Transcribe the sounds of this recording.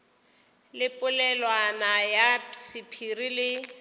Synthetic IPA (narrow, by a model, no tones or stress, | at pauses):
lɪpʼʊlɛlwanajasɪpʰirilɪ